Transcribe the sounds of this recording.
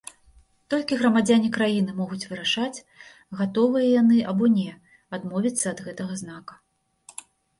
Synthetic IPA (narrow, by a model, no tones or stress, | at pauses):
t̪ɔlʲkʲiɣɾɐmad͡zʲanʲikɾajinɨmɔɣut͡sʲvɨɾaʂat͡sʲ | ɣat̪ɔvɨjɐjanɨabɔnʲɛ | ad̪mɔvʲit̪sːɐːd̪ɣɛt̪ɐɣɐzn̪akɐ̥